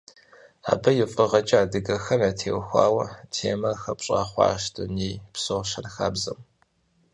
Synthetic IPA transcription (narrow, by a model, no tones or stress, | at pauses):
a̰ːbɐjɪfʼɐʁɐt͡ʃʼɐaːdɨɡɐxɐnaːtʰeːwxʷɑ̰ːwɐtʰeːmɐxɐpɕʼɑ̰ːχʷɑ̰ːʃtʰɨniːpsoʁʃɐnxaːbzɐm